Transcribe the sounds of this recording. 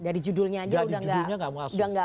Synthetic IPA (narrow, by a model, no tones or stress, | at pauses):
daɾid͡ʒudʊlɲaːd͡ʒaaudidahd͡ʒuɡaɲaŋɡaməaudahŋɡa